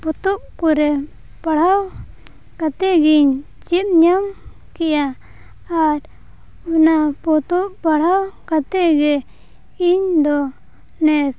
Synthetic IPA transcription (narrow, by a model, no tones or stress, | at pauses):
pɔt̪ɔʔkɔɾɛ | paɽ̤aw | kat̪ɛɡiɲ | t͡ʃit̪̚ɲam | kɛja | aɾ | ɔnapɔt̪ɔʔpaɽ̤awkat̪ɛʔɡɛ | iɲd̪ɔ | nɛs